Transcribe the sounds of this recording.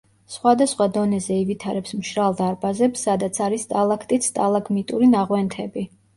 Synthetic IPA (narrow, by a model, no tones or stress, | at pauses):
sχwad̪asχwad̪ɔnɛzɛivit̪ʰaɾɛpsmʃɾalˠd̪aɾbazɛpsːad̪at̪sʰaɾist̪ʼalˠakʰt̪ʼit̪sʰt̪ʼalˠaɡmit̪ʼuɾinaʁwɛnt̪ʰɛbi